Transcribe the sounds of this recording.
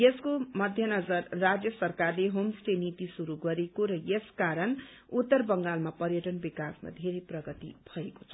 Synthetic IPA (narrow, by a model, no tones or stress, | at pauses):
jeskomʌd̪ʱjʌnʌd͡zʌrːad͡zjʌsʌrkarleɦomsʈenit̪isuɾuɡʌɾekoɾʌjeskaɾʌn | ut̪ːʌrbʌŋɡalmapʌɾjʌʈʌnbikasma̰d̪ʱeɾeprʌɡʌt̪ḭbʱʌeko̥t͡sʰʌ